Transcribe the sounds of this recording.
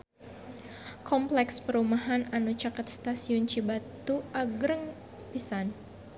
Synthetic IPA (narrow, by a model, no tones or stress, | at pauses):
kʰɔmplɛkspəɾumaɦananut͡ʃakət̪̚st̪asiʊnt͡ʃibat̪uʔaɡɾəŋ | pisan